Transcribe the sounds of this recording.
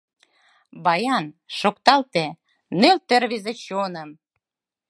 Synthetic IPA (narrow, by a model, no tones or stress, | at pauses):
bɑjɑn | ʃokt̪ɑlt̪e | nølt̪erβizet͡ɕonə̆m